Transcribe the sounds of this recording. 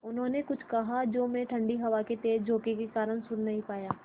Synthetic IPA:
ʊnɦõːnekʊt͡ʃʰkɐɦad͡ʒoːmẽʈʰɐ̃ɳɖiɦɐʋaket̪eːd͡ʒd͡ʒʱoːkekekaːɾəɽ̃sʊɾnɐɦĩpaːjaː

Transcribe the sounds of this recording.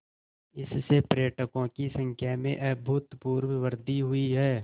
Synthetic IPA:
ɪsːepɾeːʈəkõkisə̃ŋkʰjamḛ̃ʔɛbʱʊːt̪puːɾwəwəɾd̪iɦʊiɦɛː

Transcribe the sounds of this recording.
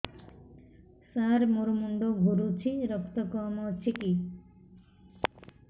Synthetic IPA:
saɾmuɾumuɳɖoɡʱuɾut͡ʃʰiɾɔkt̪ɔkɔmɔt͡ʃʰiki

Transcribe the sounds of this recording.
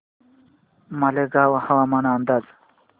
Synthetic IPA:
mɐleɡaːwɐhɐwamanaːnd̪aːz

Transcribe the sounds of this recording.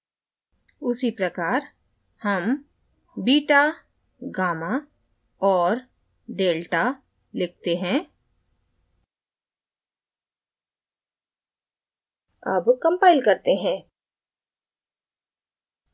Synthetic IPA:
ʊsipɾɐkaːɾ | hɐm | biːʈa | ɡaːma | ɔːɾ | ɖeːlʈa | lɪk̚ʰt̪eɦɛ̃ː | ɐ̰bkɐ̃mpaːɪlkɐɾt̪eɦɛ̃ː

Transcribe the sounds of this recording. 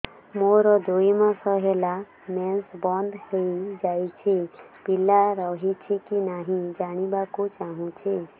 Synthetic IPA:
moɾɔd̪oimãsɔɦela | mɛsbɔnd̪heid͡ʒajt͡ʃʰipilaɾɔɦit͡ʃʰikinaɦĩd͡ʒaɽ̃ibakot͡ʃaɦũt͡ʃʰe

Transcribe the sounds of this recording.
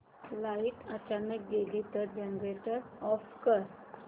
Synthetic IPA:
lait̪ət͡ɕanək̚ɡeliːt̪əɾd͡ʑenɾeʈəɾɔfkəɾ

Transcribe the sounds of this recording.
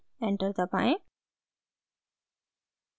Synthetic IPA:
ɛɳʈəɾt̪apã̰ẽ

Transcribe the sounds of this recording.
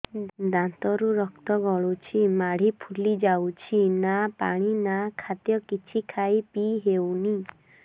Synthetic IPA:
d̪ãnt̪ɔɾuɾɔkt̪ɔɡɔɭut͡ʃʰimaɽ̤ipʰulid͡ʒawt͡ʃʰinapa̰ɽ̃inakʰat̪jɔkit͡ʃʰikʰaipiɦewni

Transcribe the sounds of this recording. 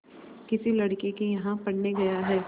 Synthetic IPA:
kɪsilɐɽkekejɐɦãpɐɽneɡɐjaɦɛː

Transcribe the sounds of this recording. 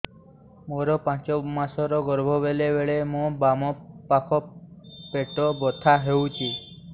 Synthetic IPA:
moɾɔpãt͡ʃɔmasɔɾɔɡɔɾbʱɔbelebeɭemũbamɔpakʰɔpeʈɔbɔt̪ʰaɦewt͡ʃʰi

